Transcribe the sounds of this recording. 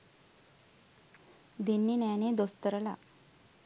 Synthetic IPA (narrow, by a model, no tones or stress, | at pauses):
d̪enːinaned̪ost̪əɾəla̰